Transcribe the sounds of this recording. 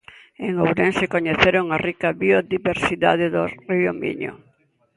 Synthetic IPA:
eŋowɾẽnsekoɲeθeɾoŋarikaβioðiβeɾsiða̰ðeðoriomḭɲo̰

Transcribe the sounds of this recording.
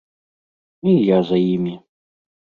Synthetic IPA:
ijazɐjimʲi

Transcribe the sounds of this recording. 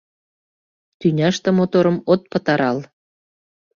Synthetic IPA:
t̪ynʲɑʃt̪ə̆mot̪oɾəmot̪̚pət̪ɑɾɑl

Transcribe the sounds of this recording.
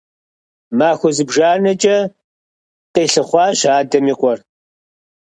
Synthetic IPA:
maːxʷɔzɨbʒaːnɐt͡ʃʼɐ | qeːɬɨχʷɑːɕaːdɐmiːqʷʼɔr

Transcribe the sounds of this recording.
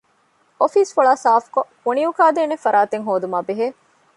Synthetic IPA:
ofiːsfuɭaːsaːfkokuniukaːd̪eːnefɐɾaːt̪eŋɦoːd̪umaːbeɦeː

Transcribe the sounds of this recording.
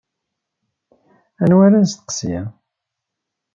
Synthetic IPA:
ænwæɾænst̪ə̥qsijæ

